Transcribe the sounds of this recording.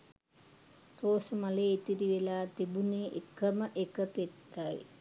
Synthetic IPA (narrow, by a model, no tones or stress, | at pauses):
roːsəmaleːit̪iɾiʋelaːt̪ibuneːʔḛkəməʔekəpet̪ːaj